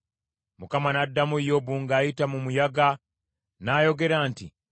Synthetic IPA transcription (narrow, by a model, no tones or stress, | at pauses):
mukamanadːamujo̞βuːŋɡaːjitamumujaɡa | naːjo̞ɡe̞ɾaːntḭ